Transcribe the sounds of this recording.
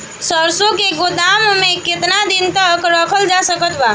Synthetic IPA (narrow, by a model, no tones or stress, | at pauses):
səɾsõkeɡod̪ammekɪt̪nad̪int̪əkɾəkʰəld͡ʒasəkət̪ba